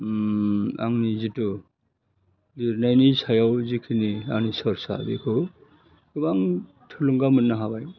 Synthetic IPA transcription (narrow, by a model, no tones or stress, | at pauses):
a̰ŋnizitu | liɾnajnisʰajawzikʰinia̰ŋnisɔɾsa̰bḭkʰɯw | kɯbaŋ | tʰɯluŋɡamɯnːaɦabaj